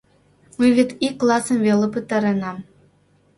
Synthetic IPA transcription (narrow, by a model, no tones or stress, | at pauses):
mɨvʲet̪ikːlˠɑsɤ̆nvʲelʲˠĕpɯt̪ɑɾɤ̆nɑm